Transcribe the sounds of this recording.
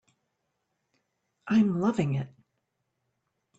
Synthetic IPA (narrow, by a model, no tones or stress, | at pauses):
ʔãɪ̃mlʌvɪ̃ŋɪt̚